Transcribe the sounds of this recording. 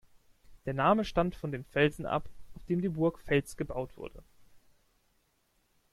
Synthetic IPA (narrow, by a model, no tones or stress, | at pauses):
d̥eːɐnaːməʃtantfɔndeːnfɛlzn̩ʔa̰pʔaʊfd̥eːmdiːbʊɐkfɛlt͡sɡ̥əbaʊtv̥ʊ̰ɐdə̰